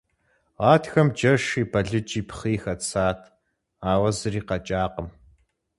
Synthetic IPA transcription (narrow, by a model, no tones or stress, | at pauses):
ʁɑːtxɐmd͡ʒɐʂiːbʰɐɮɨt͡ʃʼiːpʰχiːxɐt͡sʰaːtʰ | aːwɐzɨriːqɐt͡ʃʼaːqəm